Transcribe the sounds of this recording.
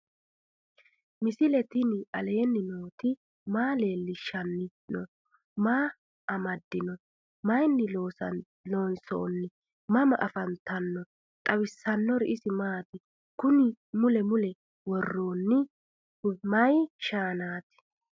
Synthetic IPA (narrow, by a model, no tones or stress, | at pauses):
mɪsɪlɛt̪ɪnɪʔɐle̞ːnːɪnoːt̪ɪ | maːle̞ːlːɪʃɐnːɪ | nɔ | maː | ɐmɐd̪ːɪnɔ | mɐjnːɪoːs | loːnso̰ːnːɪ | mɐmɐʔɐfɐnt̪ɐnːɔ | t̪ʼɐwɪsːɐnːɔɾɪʔɪsɪmaːt̪ɪ | kʊnɪmʊlɛmʊlɛ | wɔrːoːnːɪ | mɐjʃaːnaːt̪ɪ̥